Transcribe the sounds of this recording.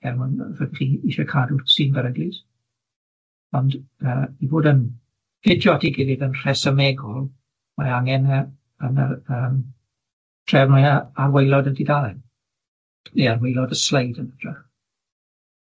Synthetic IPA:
ɛrmɔnrɛdiχiiʃɔkʰadusiːnbəɾəɡlis | ɔndəːiboːdən | fɪdʰjɔtʰiɡɪɾɪdənr̥ɛsəmɛɡɔlˠ | maaŋɛnə | ənəəːm | tʰrɛvmajaawejlˠɔdədɪdalɛn | nearwejlˠɔdəslejdənəd̥ʰrɛχ

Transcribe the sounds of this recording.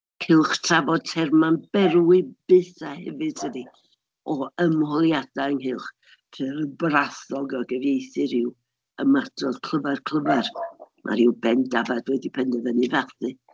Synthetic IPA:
kʰɪlˠχtʰr̥avɔd̚tʰɛrmanbɛɾɪb̥ɨθahɛ̰vɨd̥̚tʰəni | ɔəmhɔlˠjad̥aəŋɦɪlˠχ | pʰrɨɾəbraθɔɡɔɡəvjejθɨɾɪw | əmadrɔd̥kʰl̥ˠəvɛrkʰl̥ˠəvɛrmʔa̰ɾiwbɛndavadwɛdipʰɛndɛvənɨvɛrθɨ

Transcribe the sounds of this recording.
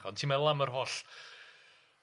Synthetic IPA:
χɔntʰiːmɛlˠamərɦoɬ

